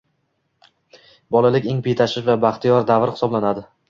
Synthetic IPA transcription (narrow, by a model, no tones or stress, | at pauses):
bɒlˠalɪkʲeŋpʰejt̪ʰaʃɪʃvabaχt̪ʰijɒɾd̪avɾχɪ̥sɒblanad̪ɪ